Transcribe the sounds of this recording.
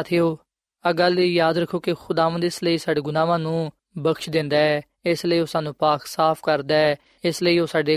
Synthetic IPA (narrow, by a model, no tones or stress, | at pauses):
t̪ʰeːoː | əɡəlijaːd̪ɾəkʰːoːkɪxʊd̪aːʋənd̪ɪsləiːsaːɖeːɡʊnaːʋãːnũː | bəkʃd̪ɪ̃nd̪aːɛː | ɪsləiːoːsaːnũːpaːksaːpʰkəɾd̪aːɛː | ɪsləiːoːsaːɖeː